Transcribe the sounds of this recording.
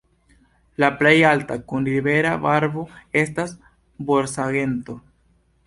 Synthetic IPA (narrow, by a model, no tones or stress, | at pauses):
laple̞jaltakunɾibe̞ɾavaɾvo̞e̞stas | bo̞ɾsaɡe̞nto̞